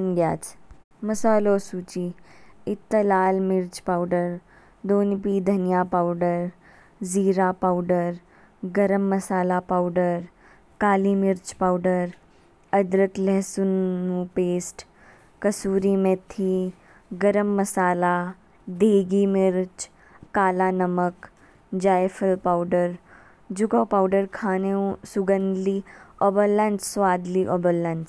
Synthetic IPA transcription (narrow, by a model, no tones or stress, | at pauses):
nɡjaːt͡ʃ | məsaːloːsuːt͡ʃiɪt̪ːəlaːlmɪɾt͡ʃpaːʊɖəɾ | d̪oːnpiːd̪ʱɐnijaːpaʊɖəɾ | ziːɾaːpaʊɖəɾ | ɡəɾəmːəsaːlapaːʊɖəɾ | kaːliːmɪɾt͡ʃpaʊɖəɾ | ɐd̪ɾəklɛɦsʊnːũpeːsʈ | kəsuːɾiːmet̪ʰi | ɡəɾəmːəsaːla | d̪ʱeːɡimiɾt͡ʃ | kaːlanəmək | d͡ʒaːjfəlpawɖəɾ | d͡ʒuɡopawɖəɾkʰaːneũsuɡə̃nd̪liobəlːãnssʋaːd̪liʔobəlːãns